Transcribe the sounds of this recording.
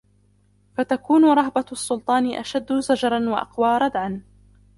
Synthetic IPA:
fat̪akuːnʊɾˤɑɦbasːʊlt̪ˤɑːnɪʔaʃad̪ːʊzad͡ʒɑɾˤɑnwa̰ʔɑ̰qwɑːɾˤɑd̪ʕan

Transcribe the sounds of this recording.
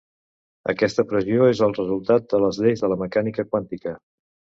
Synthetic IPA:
ə̰kɛst̪əpɾəzioezəlˠrəzulˠt̪at̪̚d̪ələzʎejzðələməkanikəkwant̪ikə

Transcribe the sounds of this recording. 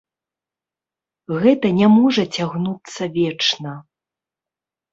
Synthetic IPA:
ɣɛt̪ɐnʲamɔʐɐt͡sʲaɣnut̪sːɐvʲɛt͡ʂnɐ

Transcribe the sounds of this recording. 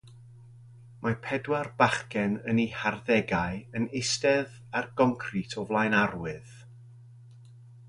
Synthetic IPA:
mapʰɛdwarbaχkɛnəniharðɛɡajənɪstɛð | arɡɔŋkʰritʰɔvlˠajnarwɨð̥

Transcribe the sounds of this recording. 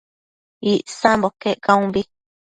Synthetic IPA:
iʔsãmbokeʔkãũmbi

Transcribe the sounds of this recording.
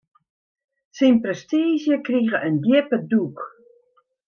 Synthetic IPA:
sinprɛstiːzjəkriɣəʔəndjɪpəduk

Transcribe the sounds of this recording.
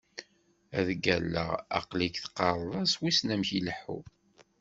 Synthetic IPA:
æðɡælːə̰ʁɑ̰qlikθqːɑɾˤðˤɑswisnæmçiləħṵ

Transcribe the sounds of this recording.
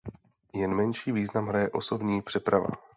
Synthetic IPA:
jɛnmɛnʃiːviːznamɦɾajɛʔo̞so̞bɲiːpr̝̥ɛpɾava̰

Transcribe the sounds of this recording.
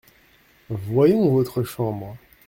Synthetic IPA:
vwajɔ̃vot̪χəʃɑ̃bʁ

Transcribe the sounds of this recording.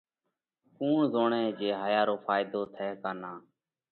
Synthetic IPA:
kuːɳzoːɳẽːd͡ʒeːɦaːjaːɾoːfʰaːɪd̪oːt̪ʰɛːkaːnaː

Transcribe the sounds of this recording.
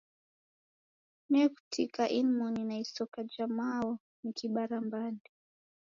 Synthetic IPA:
nɛkutʰikaʔinmɔninaisɔkad͡ʒamaɔ | nikʰiɓaɾambandi

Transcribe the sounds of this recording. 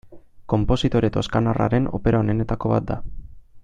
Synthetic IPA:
ko̞mpo̞sit̪o̞ɾet̪o̞skanara̰ɾe̞no̞̰pe̞ɾaone̞ne̞t̪ako̞βa̰t̪̚d̪a

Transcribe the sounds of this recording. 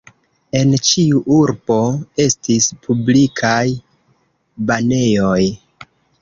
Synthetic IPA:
e̞nt͡ʃiuʔuɾbo̞e̞stispʰublikʰaj | bane̞jo̞j

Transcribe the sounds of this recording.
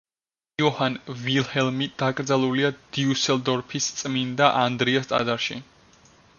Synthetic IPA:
iɔhanvilˠhɛlˠmid̪̥akʼɾd̪zalˠuliad̪̥iusɛld̪ɔɾpʰist̪sʼmind̪aʔand̪ɾiast̪ʼa̰d̪aɾʃḭ

